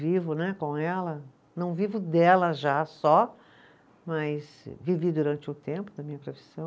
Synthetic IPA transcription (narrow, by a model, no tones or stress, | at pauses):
vivʊnɛkõɛlɐ | nɐ̃w̃vivʊd̪ɛlɐʒasɔ | mɐjs | vivid̪uɾɐ̃nt͡ʃɪʊt̪ẽmpʊd̪ɐmĩɲɐpɾofi̥sɐ̃w̃